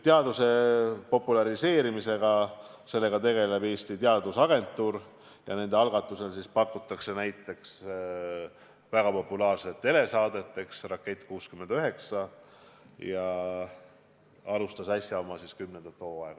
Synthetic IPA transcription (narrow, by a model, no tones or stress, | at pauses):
t̪eɑd̪use̞po̞pːˑulɑɾise̞ːɾimise̞ɡ̥ɑse̞lːe̞ɡ̥ɑt̪e̞ɡe̞le̞be̞ːst̪it̪eɑd̪usɑɡ̥e̞nt̪ːˑuːɾ | jɑne̞nd̪e̞ɑlɡ̥ɑt̪ːˑuse̞lsispɑkːˑut̪ːˑɑkse̞næjt̪ːˑe̞ks | væɡ̥ɑpo̞pːulɑːrset̪ˑːe̞le̞sɑːd̪e̞t̪ːe̞ksrɑkːˑet̪ːˑkuːskymːe̞nd̪̥yɦe̞ksɑ | jɑ | ɑlust̪ɑsɑsjɑomːɑsiskymːnend̪ɑt̪ːo̞ːɑeɡ̥ɑ